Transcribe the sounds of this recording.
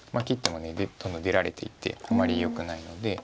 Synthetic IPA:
makʲit̪ːe̞mo̞ne̞d̪ed̪̥õ̞nd̪õ̞d̪e̞ɾaɾe̞t̪ʰe̞̰it̪e̞̰amːaɾʲijo̞kɯ̟naino̞d̪e̞

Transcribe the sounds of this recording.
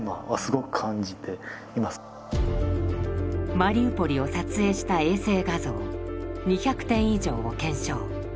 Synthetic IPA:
ma̰βasɨɡo̞kɯ̟̥kʰãɲd͡ʑit̪ʰe̞ | imas | maɾʲiːpo̞ɾʲio̞sat͡sɨe̞ːɕi̥t̪ae̞ːse̞ːɡazo̞ːɲ̟içakɯ̟̥t̪ẽ̞ɰ̃iʑo̞ːokẽ̞ɰ̃ɕo̞ː

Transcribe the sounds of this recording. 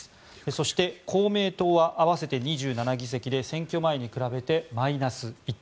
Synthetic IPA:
eso̞ɕi̥t̪e̞kʰo̞ːme̞ːt̪o̞ːβaʔaβase̞t̪e̞ɲ̟iʑɨːnanaɡʲis̬e̞kʲid̪e̞sẽ̞ŋkʲo̞mae̞ɲ̟ikɯ̟ɾabe̞t̪e̞mainasɨit̪ː

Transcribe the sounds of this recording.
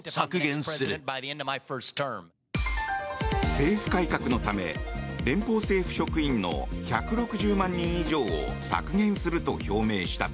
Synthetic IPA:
sakɯɡẽsɨɾɯbaðiɛ̃ndʌaɪfə˞stʰə̃˞m | se̞ːɸɯ̟̥kaikakɯ̟no̞t̪ame̞̰ɾẽ̞mpo̞ːse̞ːɸɯ̟̥ɕo̞kɯ̟ĩnːo̞̰çakɯ̟ɾo̞kɯ̟ʑɨːmãɲ̟ːĩɰ̃iʑo̞ːo̰sa̰kɯ̟ɡẽ̞ɰ̃sɨɾɯ̟t̪o̞̰ço̞ːme̞ːɕi̥t̪a̰

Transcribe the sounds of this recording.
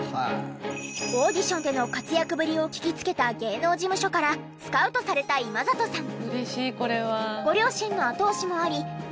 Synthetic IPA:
oːd̪ʲiɕõ̞nd̪e̞no̞kat͡sɨjakɯ̟bɯ̟ɾʲio̞kʲi̥kʲit͡sɨ̥ke̞t̪aɡe̞ːno̞ːd͡ʑimɯ̟ɕo̞kaɾa | sɨ̥kaɯ̟t̪o̞saɾe̞t̪aimazat̪o̞sãɴɯɾeɕiːko̞ɾe̞βaɡo̞ɾʲo̞ːɕĩnːo̞at̪o̞ːɕimo̞aɾʲi

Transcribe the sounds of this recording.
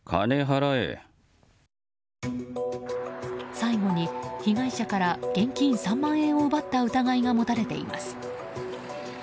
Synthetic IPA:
kʰa̰neɦaɾaḛ | saiɡo̞ɲ̟ikʲiɡaiɕakaɾaɡ̥ẽ̞ŋkʲĩɰ̃sãmːãɰ̃ẽ̞ɰ̃oɯbat̪ːaɯ̟t̪aɡaiɡamo̞t̪aɾe̞t̪e̞ḭma̰sɨ̥

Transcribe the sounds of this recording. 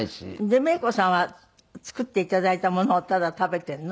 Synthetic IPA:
iɕḭd̪e̞me̞ːko̞sãɰ̃βa | t͡sɨ̥kɯ̟t̪ːe̞it̪ad̪ait̪amo̞no̞ːt̪ad̪at̪abe̞t̪ẽ̞nː

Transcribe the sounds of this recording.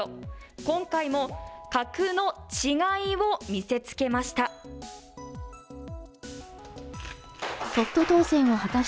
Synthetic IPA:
kõ̞ŋkaimo̞kakɯ̟no̞t͡ɕiɡaiβo̞mʲise̞t͡sɨ̥ke̞maɕi̥t̪a | so̞t̪ːo̞t̪o̞ːsẽ̞ɰ̃ohat̪a

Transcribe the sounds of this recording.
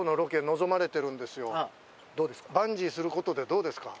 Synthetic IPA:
ono̞ɾo̞ke̞no̞zo̞maɾe̞t̪e̞ɾɯ̟̃nd̪e̞sɨjo̞ | d̪bãɲ̟d͡ʑisɨɾɯ̟ko̞t̪o̞d̪e̞d̪o̞ːd̪e̞sɨ̥ka

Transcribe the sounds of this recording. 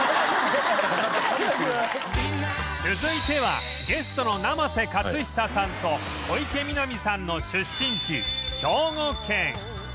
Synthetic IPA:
t͡sɨzɨit̪e̞βa̰ | ɡe̞sɨ̥t̪o̞no̞namase̞kat͡sɨçi̥sasãnt̪o̞ | oike̞mʲinomʲisãnːo̞ɕɨɕːĩɲt͡ɕiɕo̞ːŋokːẽ̞ŋ

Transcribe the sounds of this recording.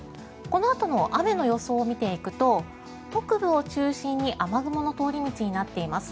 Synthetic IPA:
ko̞no̞at̪ono̞ʔame̞no̞jo̞so̞ːmʲit̪e̞ikɯ̟t̪o̞ | bokɯ̟bɯ̟o̞t͡ɕɨːɕĩɲ̟ːiʔamaɡɯ̟mo̞no̞t̪o̞ːɾʲimʲit͡ɕiɲ̟inat̪ːe̞imasɨ̥

